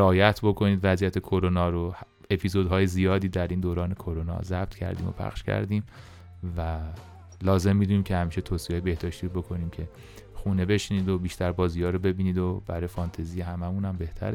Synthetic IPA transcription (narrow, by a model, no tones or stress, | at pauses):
eɒːjæt̪ʰbo̞kʰo̞niːd̪væzijæt̪ʰe̞kʰo̞ɾonɒːɾoh | e̞pʰizod̪ɦɒːjezijɒːd̪iːd̪æɾiːnd̪oːɾɒːne̞kʰoɾonɒ̰zæb̥t̪ʰcʰæ̰ɾd̪ḭːmo̰pʰæ̰χʃcʰæ̰ɾd̪iːm | væ | lɒːze̞mːid̪uːniːmcʰehæmiːʃe̞t̪ʰoːsiɒːjebe̞hd̪ɒːʃt̪iːɾobo̞kʰo̞niːmcʰe̞ | xuːne̞be̞ʃniːd̪obiːʃt̪ʰæɾbɒːzijɒːɾobe̞biːniːd̪ob̥æɾɒːjefɒnt̪ʰezijeɦæmæmũnæmbe̞ht̪ʰæ̰ɾ